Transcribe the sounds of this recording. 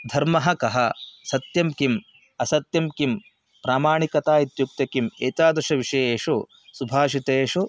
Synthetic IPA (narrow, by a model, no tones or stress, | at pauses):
d̪ʱɐɾmɐɦɐkɐɦɐsɐt̪jɐmkim | ɐsɐt̪jɐmkim | pɾaːmaːɳikɐt̪aːit̪juk̚t̪jɐkimeːt̪aːd̪ɾʃɐʋiʂɐjeːʂu | subʱaːʃit̪eːʂu